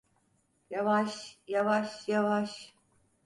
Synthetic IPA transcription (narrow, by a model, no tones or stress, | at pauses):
javaʃjavaʃjavaʃ